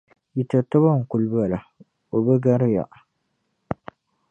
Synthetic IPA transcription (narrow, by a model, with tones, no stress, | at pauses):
ji˨ta˨ta˦ba˦˨ŋ̩˨kʊ˨lbla˨ | o˨bɛ˦ɡa˦ɾɪ˦ja̰˨ʔ